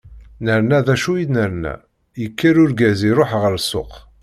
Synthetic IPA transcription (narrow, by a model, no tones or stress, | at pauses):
nəɾnæðæʃujid̪nəɾnæ̰ | jəkʰːəɾʊɾɡæziɾˤoħʁəɾsːʊ̰q